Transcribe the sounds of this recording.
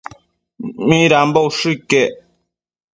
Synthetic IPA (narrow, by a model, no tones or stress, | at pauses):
miɾam̩bowʃɨkɛʔ